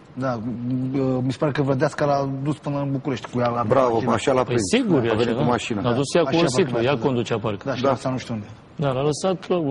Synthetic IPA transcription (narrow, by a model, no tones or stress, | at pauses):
d̪a | əmisə̥paɾekəvɾəd̪askalad̪uspɨnbukuɾeʃt̪ʲkujalabɾavəaʃalapəɾisiɡuɾjavennumaʃinaad̪usjakuosit̪ujakkond̪ut͡ʃaparkd̪ad̪asanuʃt̪eund̪e | d̪alaləsat̪lo